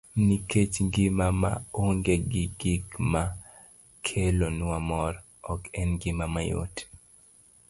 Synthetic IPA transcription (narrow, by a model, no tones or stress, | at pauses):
niket͡ʃŋɡɪmama̰oŋɡeɡiɡikma | kʰelonuamɔɾ | ɔkɛnɡɪmamajo̰t